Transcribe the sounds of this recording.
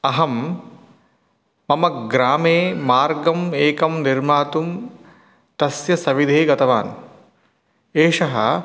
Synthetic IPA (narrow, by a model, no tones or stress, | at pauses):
ɐɦɐm | ɐmɐɡɾaːmeːmaːɾɡɐmeːkɐmniɾmaːt̪um | t̪ɐsjɐsɐʋid̪ʱeːɡɐt̪ɐʋa̰ːn | eːʂɐɦɐ̰